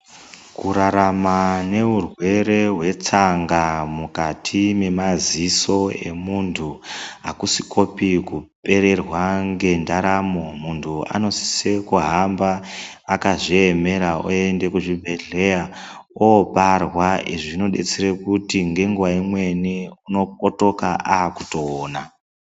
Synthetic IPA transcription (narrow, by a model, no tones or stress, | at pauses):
kuɾaɾamane̞urwe̞ɾe̞ɦwe̞t͡saŋɡamukatʰime̞maziso̞e̞̰muntʰuakusikʰo̞pikupe̞ɾe̞rwaŋɡe̞ndaɾamo̞muntʰua̰no̞si̥se̞kuɦambaː | kaʐieme̞ɾaoe̞nde̞kuʐibʱe̞ɮe̞ja | oparwaiʐino̞ɗe̞̰t͡seɾekutiŋɡe̞ŋɡuʋaimwe̞niuno̞p̚oto̞kaʔaːku̥toːna